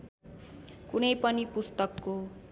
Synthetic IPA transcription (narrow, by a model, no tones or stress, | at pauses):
kunʌjpʌnipust̪ʌkːo